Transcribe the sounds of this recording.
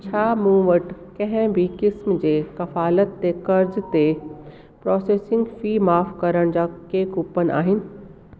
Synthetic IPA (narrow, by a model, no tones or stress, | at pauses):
t͡ɕʰaːmũːʋɐʈkɐ̃ɦɛ̃bʱikɪsmd͡ʑeːkɐfaːlət̪ːekɐɾzt̪e | pɾɔːseːsɪ̃ŋɡfiːmaːfkɐɾəɽ̃d͡ʑakeːkupənʔa̰ːɦɪnɪ̆